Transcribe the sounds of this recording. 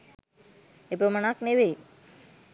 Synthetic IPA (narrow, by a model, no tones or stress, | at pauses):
epəmənakneʋe